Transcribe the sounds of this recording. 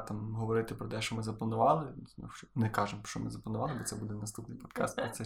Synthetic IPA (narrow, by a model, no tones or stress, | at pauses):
t̪ɑmɦɔʋɔɾɪt̪ɪpɾɔt̪ɛʃt͡ʃɔmɪzɐplˠɐnʊʋɑlˠɪnṵɔnɛkɑʒemʃt͡ʃɔmɪ̰zɐplɐnʊʋɑlˠɪbɔt̪sɛbud̪ɛnɐst̪upnɪjpɔt̪kɑ̰st̪pɔt̪sɛ